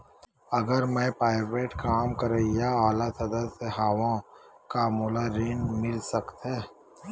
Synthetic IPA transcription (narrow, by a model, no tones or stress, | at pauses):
ɐɡəɾmɛ̃ːpɾaːɪʋeːʈkaːmkɐɾeijaaːlasɐd̪əseɦaːʋõ | kamuːlaɾinmɪlsɐkt̪eː